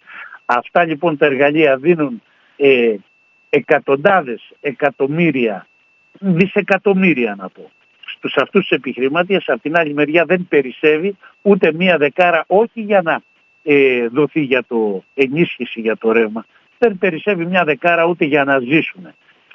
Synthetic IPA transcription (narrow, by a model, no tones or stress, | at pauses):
ɐft̪ɐʎipo̞nt̪ɐe̞ɾɣɐʎiɐðinun | e | e̞kɐt̪o̞nd̪ɐðe̞se̞kɐt̪o̞miɾiɐ | ðise̞kɐt̪o̞miɾiɐnɐpo̞ | st̪usɐft̪ust̪u̥sepixɾimɐt̪iesɐpot̪inɐʎime̞ɾʝɐðe̞npe̞ɾise̞viut̪e̞miɐðe̞kɐɾɐʔo̞çiʝɐnɐ | eðo̞θiʝɐt̪o̞e̞nisçisiʝɐt̪o̞ɾe̞vmɐ | ðe̞npe̞ɾise̞vimɲɐðe̞kɐɾɐut̪e̞ʝɐnɐzisune̞